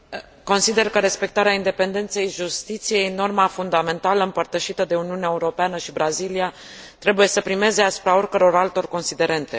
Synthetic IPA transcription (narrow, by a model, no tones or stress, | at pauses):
ko̞nsid̪e̞rkəɾe̞spe̞k̚t̪aɾeaind̪epe̞nd̪e̞nt̪se̞jʒust̪it̪sije̞jno̞rmafund̪ame̞nt̪aləɨmpərt̪əʃit̪əd̪e̞uniuneaeuɾo̞peanəʃibɾazilia | t̪ɾe̞buje̞səpɾime̞zeasu̥pɾao̞rʲkəɾo̞ɾalt̪o̞rko̞nsid̪e̞ɾe̞nt̪e̞